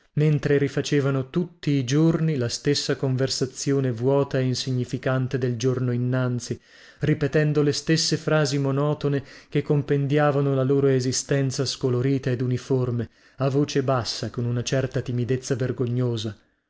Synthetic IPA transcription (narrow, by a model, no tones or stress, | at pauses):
ment̪ɾeɾifat͡ʃeːvanot̪ut̪ːiːd͡ʒornilast̪esːakoɱversat̪sjoːnevwɔːt̪aeinsiɲːifikant̪ed̪eld͡ʒornoinːant̪si | ripet̪ɛnd̪olest̪esːefɾaːzimonɔːt̪onek̟ekːompend̪jaːvanolaloːɾoezist̪ɛnt̪saskoloɾiːt̪aed̪uniforme | avːoːt͡ʃebasːakonunat͡ʃɛrt̪at̪imid̪et̪sːaverɡoɲːoːza